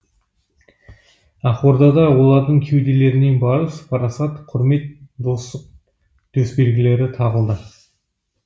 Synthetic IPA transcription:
ɑχo̞ɾd̪ɑd̪ɑwo̞lˠɑɾd̪əɴkʲʰe̞wd̪e̞le̞ɾɪne̞nbɑɾəspʰɑɾɑsɑt̪qʰʊɾme̞t̪̚d̪o̞st̪əq̚ | d̪̥ɵsbe̞ɾɡʲɪle̞ɾɪt̪ʰɑʁəlˠd̪ə

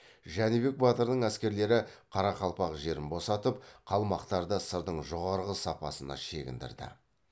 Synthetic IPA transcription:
ʒænibe̞k̚bɑt̪əɾd̪əɴæskʲe̞ɾle̞ɾɪqʰɑɾɑqɑlˠpɑqʒe̞ɾɪnbo̞sɑt̪əpqʰɑlˠmɑqt̪ɑɾd̪əsəɾd̪əɴʒo̞ʁɑɾʁəsɑpɑsənɑ̰ʃe̞ɡʲɪ̰nd̪ɪ̰ɾd̪ɪ̰

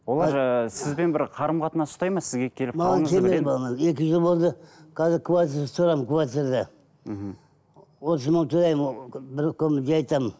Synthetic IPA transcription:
wolˠɑɾsɪzbe̞nbɪɾqʰɑɾəmqʰɑt̪ənɑsʊ̥st̪ɑjmɑsɪzɡʲe̞kʲʰe̞lɪpmɑʁɑnŋkʲʰe̞meepɑlˠmɑze̞kʲɪʒəlˠbo̞lˠd̪əqʰɑzɪɾkʰvat̪iɾt̪ʰʊɾɑmənkʰvat̪iɾd̪ɑ | wo̞t̪əzməŋt̪ʰʊɾɑjməbɪɾkʲʰɵmɪd̪ʲeɑjt̪ɑmən

